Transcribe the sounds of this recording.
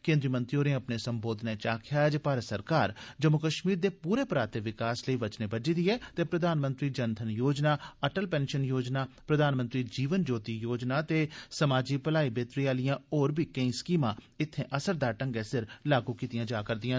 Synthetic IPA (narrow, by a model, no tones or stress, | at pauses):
kẽːnd̪ɾiːmə̃nt̪ɾioːɾẽːəpneːsəmboːd̪neːt͡ʃaːkʰjaːd͡ʒpaːɾəsəɾkaːɾd͡ʒəmʊkəʃmiːɾd̪eːpuːɾeːpɾaːt̪eːʋɪkaːsləiːʋət͡ʃneːbəd͡ʒiːd̪iːɛːt̪eːpɾəd̪aːnmə̃nt̪ɾiːd͡ʒənt̪ʰənjoːd͡ʒnaːəʈəlpɛ̃ːnʃənjoːd͡ʒnaːpɾəd̪aːnmənt̪ɾiːd͡ʒiːʋənd͡ʒoːt̪iːjoːd͡ʒnaːt̪eːsəmaːd͡ʒiːpəlaːiːbeːt̪ɾiːaːlɪjãːoːɾbʱiːkəĩːskiːmãː | ɪt̪ʰːẽːʔəsəɾd̪aːʈə̃ŋɡɛːsɪɾlaːɡuːkiːt̪ijãːd͡ʒaːkəɾd̪ɪjãː